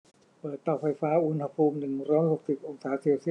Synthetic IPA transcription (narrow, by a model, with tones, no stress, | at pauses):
pɤː˨˩t̪ːɔː˨˩fa˧jfaː˦˥ʔu˧nha˧pʰuː˧mnɯ˨˩ŋɾɔː˦˥jho˨˩k̚si˨˩p̚ʔo˧ŋsaː˩˦seː˧wsi˥˩˨